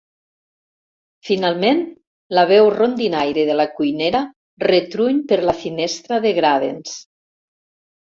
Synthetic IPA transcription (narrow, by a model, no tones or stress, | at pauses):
finalˠmen | laβ̞ɛwrond̪inajɾeðelakujneɾa | ret̪ɾuɲpeɾlafinest̪ɾaðeɣɾaðḛns